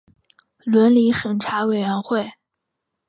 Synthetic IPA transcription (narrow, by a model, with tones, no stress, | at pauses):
lwə˧˥nli˧˥ʂə˨˩nʈ͡ʂʰa˧˥we˨˩ɪɥɛ˧˥nxwe˥˩ɪ